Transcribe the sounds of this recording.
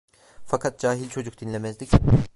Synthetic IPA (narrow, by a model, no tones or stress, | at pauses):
fakʰat̪̚d͡ʒaːɦilʲt͡ʃʰo̞d͡ʒuk̚d̪̥inlʲe̞mɛzd̪ʲic